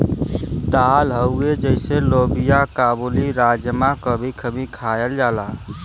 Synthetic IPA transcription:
d̪alɦəued͡ʒəɪselobijakaːbuliɾad͡ʒjəmakəbʱikʰəbʱikʰajəld͡ʒala

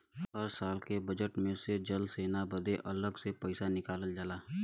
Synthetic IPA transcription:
ɦɐɾsaːlkebɐd͡ʒəʈmẽsed͡ʒɐlseːnabɐd̪eʔɐləɡsepəɪsanɪkaːləld͡ʒaːlaː

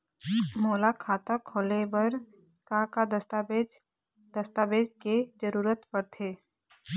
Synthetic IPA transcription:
moːlakʰaːt̪əkʰoːlebəɾ | kakad̪əst̪abed͡ʒ | d̪̥ɐst̪aːbeːd͡ʒked͡ʒəɾuːɾət̪pəɾt̪ʰeː

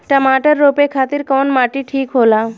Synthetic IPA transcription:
ʈəmaʈəɾːopekʰat̪iɾkɔnmaʈiʈʰikɦola

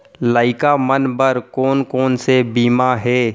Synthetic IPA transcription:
laːɪkamənbəɾkoːnkoːnsebiːmaɦɛː

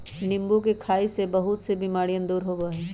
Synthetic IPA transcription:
nɪ̃mbukekʰaːisebɐɦʊt̪sebiːmaːɽijə̃nd̪uːɾɦobəɦeː

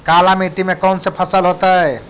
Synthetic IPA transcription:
kalameʈimekawnsepʰasalɦɔt̪aɦe

